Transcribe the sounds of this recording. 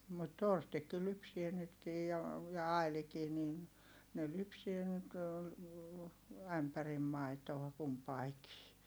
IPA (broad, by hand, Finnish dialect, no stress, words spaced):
mut torstikːi lypsie nytkij jo jɑ ɑilikiː nin ne lypsie nyt æmpærim mɑi̯toɑ kumpɑikiː